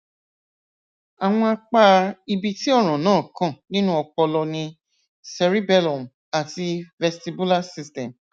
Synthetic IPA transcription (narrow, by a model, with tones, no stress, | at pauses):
a˨w̃ɔ̃˧a˧k͡pa˦˧i˧bi˧ti˦ɔ˦˨ɾ̃ã˨nãː˦˨kã˦˨nĩ˦nũ˦ɔ˧k͡pɔ˧lɔ˧nĩ˧ | sɛ˧ɾi˦bɛ˦˨lɔ˨m̃˨ | a˨ti˧vɛ˧sti˧bu˦la˦si˧stɛ̃˨m